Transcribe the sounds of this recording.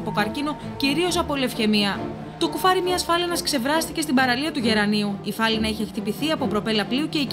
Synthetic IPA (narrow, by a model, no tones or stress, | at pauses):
pokɐɾcino̞ | ciɾio̞sɐpo̞ile̞fçe̞miɐ | t̪okufɐɾimɲɐːsfɐliɐnɐskse̞vɾɐst̪ice̞st̪ibɐɾɐliɐt̪uʝe̞ɾɐniuifɐlinɐiçe̞xt̪ipiθiɐpo̞pɾo̞pe̞lɐpliuce̞i